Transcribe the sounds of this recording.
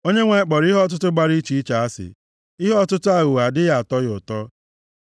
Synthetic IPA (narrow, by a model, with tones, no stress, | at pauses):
o˦ɲe˦ŋʷe˨˦˨k͡pɔ˨ɾi˦ɦɔ˦t̬ʊ˦tʊ˦ɡ͡ba˦ɾi˦t͡ʃi˦i˦t͡ʃa˨a˦sɪ̰˨ | i˦ɦɔ˦tʊ˦tʊ˦a˦ɣʊ˨ɣa˨dɪ˦ja˨tɔ˦ɣʊ˨tɔ˦